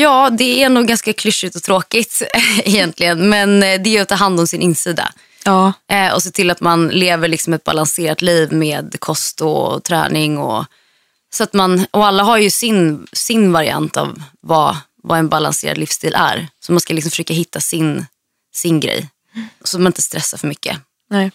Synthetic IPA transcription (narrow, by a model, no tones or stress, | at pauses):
jɑːd̪ɛæɾnd̪uːɡːanskakʰlɵʂːɪt̪ɔt̪ʰɾoːkɪt̪ɛjɛnt̪ʰlɪɡənmɛnd̪ɛat̪ʰːɑːɦand̪ɔmsɪnʔɪnːsiːd̪a̰ | ɔseːt̪ʰɪlat̪manleːvəɭɪksɔmɛt̪̚ba̰lanseːɾat̪liːvmeːd̪kʰɔst̪ɔt̪ʰɾæ̰ːnɪŋɔ̰ | sɔat̪manɔalːaɦaɾjɵsɪnsɪnvaɾɪa̰nt̪a̰vːa | vaɛnbala̰nsḛːɾad̪lɪfst̪ʰiːlʔæ̰ɾsɔmanskalɪksɔmfʂøːkaɦɪt̪ʰːasɪn | sɪnɡɾɛ̰jː | sɔt̪manɪnt̪əst̪ɾʔɛsːafœɾmʏkːə̰ | nɛ